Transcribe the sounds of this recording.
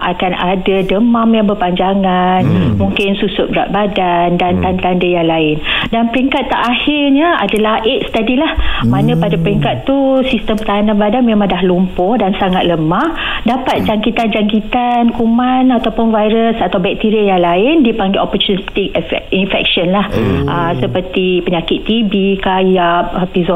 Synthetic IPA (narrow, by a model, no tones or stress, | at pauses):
ʔa̰kanadadəmamjaŋbərpaɲd͡ʒaŋanmũŋkɪnsusʊt̪̚bɾa̰ʔ̚badandant̪ant̪andəjaŋlaɪndanpəɾiŋkat̪ːaʔahɪrɲaa̰dalahʔeʔ̪sə̥t̪adilahmãnə̃padapəɾiŋkat̪ːusist̪əmpət̪aɦananbadanmemãŋdaɦlumpʊdansaŋat̪̚ləmah | dapat̪̚d͡ʒaŋkit̪and͡ʒaŋkit̪ankumanat̪awpʊnvajɾəsat̪awbɛk̚t̪iɾijaŋlaɪndipaŋɡeʔopərt͡ʃunit̪ik̚ɛinfɛ̰k̚ʃənlahʔəsəpərt̪ipəɲakɪt̪ːibikajap̚pizɔ